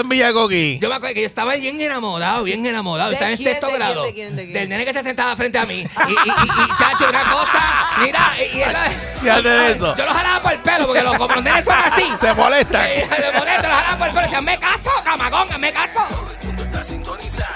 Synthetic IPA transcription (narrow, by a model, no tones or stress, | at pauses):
mijeɣokid͡ʒomeakwekeoest̪aβaβjeŋenamoɾaoβjeŋenamoɾaðoest̪aeŋest̪eest̪oɣɾaðo | d̪elnenekesjasent̪aðafɾent̪eamĩiiit͡ʃat͡ʃounakosamĩɾaiesa | ad̪eðetod͡ʒolohalaβapoelpelopokkelokompɾond̪enesomasisemolet̪aŋemoleolohalaβapoelpeloesiamekasokamaɣoŋamekaso | und̪ot̪asint̪onisa